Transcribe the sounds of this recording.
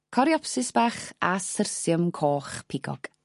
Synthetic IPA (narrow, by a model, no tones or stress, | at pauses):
kʰɔɾiɔpsɪsb̥aːχasərsjəmkʰoːχpʰɪɡɔ̰ɡ̥